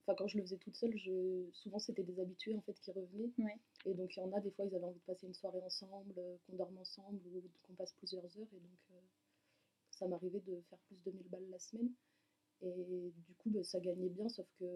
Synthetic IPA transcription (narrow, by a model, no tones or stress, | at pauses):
ɑ̃fɛ̃kɑ̃ʒələfəzɛt̪ut̪sœlʒəsuvɑ̃set̪ɛd̪ezabit̪ɥeɑ̃fɛt̪kʲiʁəvənɛwed̪ɔ̃kjɑ̃nad̪efwailzavɛɑ̃vid̪əpaseynswaʁeɑ̃sɑ̃bløkɔ̃d̪ɔʁmɑ̃sɑ̃blukɔ̃pasplyzjœʁzœʁed̪ɔ̃kʰø | samaʁived̪əfɛʁplysd̪əmilbalːasəmɛn | ed̪ykubasaɡaɲɛbjɛ̃sɔfkə